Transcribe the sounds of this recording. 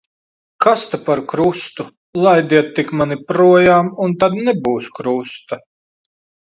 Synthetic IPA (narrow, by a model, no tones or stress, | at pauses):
kast̪apaɾkɾust̪u | lˠajd̪iɛt̪ːikmanipɾuɔjaːmunt̪ad̪nɛbuːskɾust̪a